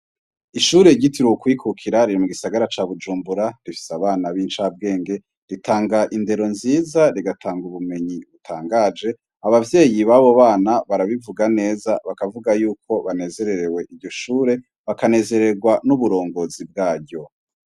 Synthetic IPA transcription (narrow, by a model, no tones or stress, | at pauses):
iʃuːɾe̞iɟitiɾwokwiːkʰukʰiɾaɾiɾimuɡisaɡaɾat͡ʃaːβud͡ʒuːmbuɾaɾifi̥saβaːnaβiːnt͡ʃaːb̚ɡe̞ːŋɡe̞ | ɾitaːŋɡaʔinde̞ɾo̞nziːzaɾiɡatʰaːŋɡuβume̞ɲiβutʰaːŋɡaːd͡ʒe̞ | aβavje̞ːjiβaβo̞βaːnaβaɾaβivuɡane̞ːzaβakavuɡajuːkʰo̞βane̞ːze̞ɾe̞ɾe̞we̞ʔiɟo̞ʃuːɾe̞ | βakane̞ːze̞ɾe̞ɡwanuβuɾo̞ːŋɡozib̚ɡaːɾɟo̞